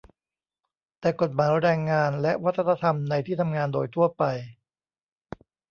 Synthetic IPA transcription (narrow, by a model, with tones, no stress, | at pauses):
t̪ɛː˨˩ko˨˩t̪̚maː˩˦jɾɛː˧ŋːaː˧nlɛ˦˥ʔwa˦˥t̪ʰːa˧t̪ʰa˧t̪ʰa˧mna˧jt̪ʰiː˥˩t̪ʰa˧mŋaː˧ndoː˧jt̪ʰu˥˩ɐpa˧j